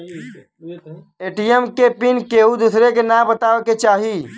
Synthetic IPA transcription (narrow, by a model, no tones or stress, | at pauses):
eːʈijəmkepɪnkeːud̪usɾekenabət̪aːeket͡ʃaːɦi